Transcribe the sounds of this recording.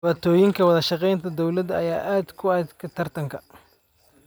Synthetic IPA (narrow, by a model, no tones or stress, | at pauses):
waːt̪ʰɔːjɪŋkʰɐwɑðɐʃɑqɛjnt̪ʰɐd̪ɔwlɐd̪ɐ̰jaːʔaːd̪kʰʊaːd̪kʰɐt̪ʰɐrt̪ʰɐŋkʰɐ